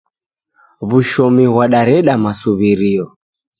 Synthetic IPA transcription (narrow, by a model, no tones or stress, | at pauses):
βuʃɔmiɣwaɗaɾɛɗamasuβiɾiɔ